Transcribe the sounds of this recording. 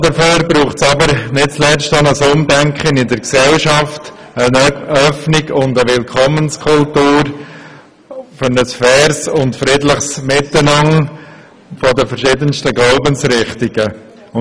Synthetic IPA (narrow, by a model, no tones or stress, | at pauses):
d̪əføːɾbɾuːχtsɑbəɾnɪt̚t͡slɛt͡stɑnəsʊmdɛŋkχənɪdəɾksɛlʃɑft | ənœfniɡʊnd̪əʋɪlkʰɔmənskʰʊltuːɾ | fʏɾnəsfɛːɾsʊntfɾɪdləχsmɪtːənɑŋ | fɔdəfəɾʃɪd̪ənstəɡloʊbənsɾɪχtiɡ̥ə